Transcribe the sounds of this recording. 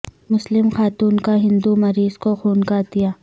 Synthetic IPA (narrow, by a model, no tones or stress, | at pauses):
mʊslɪmxaːt̪uːnkaɦɪ̃nd̪umɐɾiːzkoxuːnkat̪ijaː